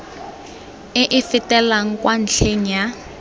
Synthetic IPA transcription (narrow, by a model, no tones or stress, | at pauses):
ɪʔɪfɪtɛlaŋ̩kʼwʔan̩ɬʰeŋ̩ja